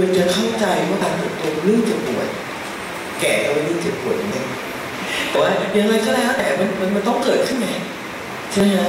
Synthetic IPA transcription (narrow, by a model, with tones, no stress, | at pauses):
a˧nt͡ɕa˨˩kʰa˥˩wt͡ɕa˧jwaː˥˩kaː˧nt̪ɤ˨˩p̚t̪o˧lɯ˥˩əŋt͡ɕa˨˩pu˨˩ət̪̚ | kɛː˨˩t̪o˧lɯ˥˩ŋt͡ɕa˨˩p̚pːu˨˩˦ət̪̚ja˨˧˩ŋla˧ŋ | t̪ɛː˨˩˦waː˦˥˩ja˧ŋla˧jk̪ʰa˥˩aː˧˦˩k̪ʰa˦˥t̪ɛː˨˩˦ma˧nma˧nma˧nt̪ɔ˥˩ŋkɤː˨˩t̪̚kʰɯ˦˥˩nɛ˧˩ | t͡ɕʰa˧a˥a˦˥